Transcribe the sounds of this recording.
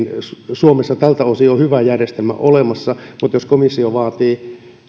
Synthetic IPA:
nsuomesːɑt̪ælt̪æosiohyʋæjærjest̪elmæ̰ʔolemɑsːɑmut̪joskomisːioʋɑːt̪iː

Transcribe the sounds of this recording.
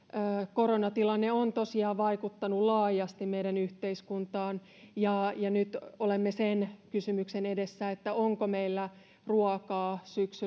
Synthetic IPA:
koɾonɑt̪ilɑnːeont̪osiɑːʋɑikut̪ːɑnulɑːjɑst̪immeidænyht̪eiskunt̪ɑːn | jɑjɑnyt̪olemːesenkysymyksenedesːæet̪ːæoŋkomeilːæ | ruɑkɑːsyksy

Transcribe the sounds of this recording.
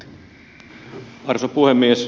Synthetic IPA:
ɑrsopuhemːies

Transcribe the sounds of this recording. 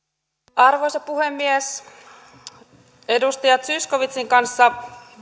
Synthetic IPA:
ʔɑrʋo̞sɑpuhe̞mːies | e̞dust̪ɑjɑt̪syskoʋit̪siŋkɑnsːɑ

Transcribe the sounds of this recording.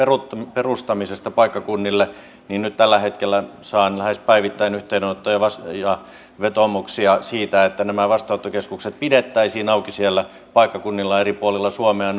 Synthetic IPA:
perutperust̪ɑmisest̪ɑpɑikːɑkunːilːe | ninnyt̪t̪ælːæhet̪kelːˑæsɑːnlæhespæiʋit̪ːæinyht̪einnot̪ːojɑʋɑsjɑ | ʋet̪omuksiɑsiːt̪æet̪ːænæmæʋɑst̪ɑot̪ːokeskukset̪̚pidet̪ːæisiːnɑukisielːæ | pɑikːɑkunːilːɑeripuolilːɑsuomeɑn

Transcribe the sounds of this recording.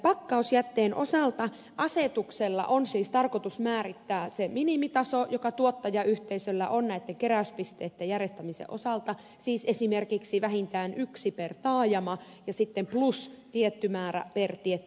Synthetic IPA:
pɑkːɑusjæt̪ːeːnʔosɑlt̪ɑ | ʔɑset̪ukselːɑ̰ʔonsiːst̪ɑrkot̪usmæːrit̪ːæːseminimit̪ɑsojokɑt̪uot̪ːɑjɑyht̪eisølːæ̰ʔonnæit̪ːeŋkeræˑyspist̪eːt̪ːejærest̪æmisḛʔo̰sɑlt̪ɑ | siːsesimerkiksiʋæhint̪æːnʔyksipert̪ɑːjɑmɑ | jɑsit̪ːemplust̪iet̪ːymæːræ̰pert̪iet̪ː

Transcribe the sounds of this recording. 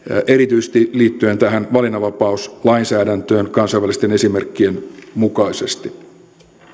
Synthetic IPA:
ʔe̞ɾit̪yjse̥st̪iliːt̪ːye̞nt̪æɦænʋɑlinɑʋɑpɑuslɑinsæːdænt̪øːnkɑnsɑjʋælist̪ene̞sime̞rkːienmukɑisest̪i

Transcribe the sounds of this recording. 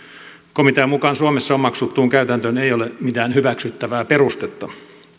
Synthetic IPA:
komit̪æmukɑnsuɑmesːɑommɑksut̪ːuːŋkæyt̪ænt̪øneijolemit̪æːnhyʋæksyt̪ːæʋæːperust̪et̪ːɑ

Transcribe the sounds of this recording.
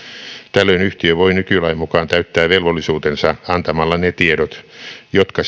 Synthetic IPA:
t̪ælːøinyht̪iøʋoinykylæimukɑːnt̪æyt̪ːæːʋelʋolːˑisuːt̪ensɑɑnt̪ɑmɑlːɑnet̪ieɾot̪jot̪kɑ

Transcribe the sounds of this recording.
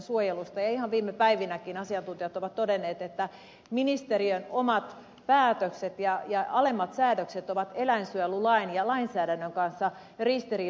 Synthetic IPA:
nsuojelust̪ɑjɑihɑʋʋiːmːepæiʋinækinɑsiɑnt̪unt̪iɑt̪oʋɑt̪todenːeːt̪et̪ːæ | minist̪eɾiønomɑt̪ | pæːt̪økset̪jɑjɑɑlemːɑt̪sæːdøkset̪oʋɑt̪elæinsyelulɑinjɑlɑinsæːdænːøŋkɑnsːɑ | rist̪iriː

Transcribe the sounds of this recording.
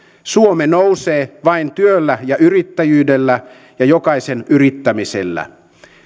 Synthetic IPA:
suomenouseːʋɑint̪yølːæjɑʔyrit̪ːæjyːdelːæ | jɑjokɑisenʔyrit̪ːæmisḛlːæ̰

